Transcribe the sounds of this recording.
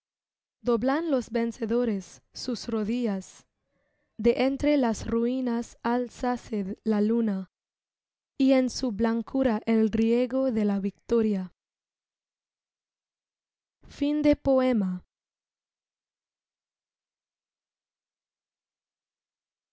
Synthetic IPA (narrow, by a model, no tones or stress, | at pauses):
d̪oβlanlo̞sbe̞nseðo̞ɾe̞sːusroðias | d̪e̞ʔent̪ɾelasruinasalsaselaluna | ie̞nsuβlaŋkuɾaʔelrjeɣo̞ðe̞laβik̚t̪oɾja | find̪e̞po̞ema